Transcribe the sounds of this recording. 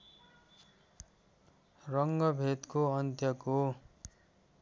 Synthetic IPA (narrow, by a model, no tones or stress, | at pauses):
rʌŋɡʌbʱet̪koʌnt̪jʌko